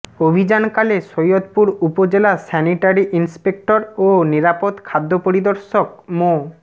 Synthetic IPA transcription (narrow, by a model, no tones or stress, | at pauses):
obʱid͡ʑankaleʃojot̪puɾupod͡ʑelasɛniʈaɾiʔinspek̚ʈoɾoniɾapod̪kʰad̪ʱːopoɾid̪oɾʃokmo